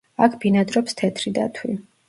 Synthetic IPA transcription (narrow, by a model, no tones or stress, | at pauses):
akʰb̥inad̪ɾɔpst̪ʰɛt̪ʰɾid̪a̰t̪ʰwi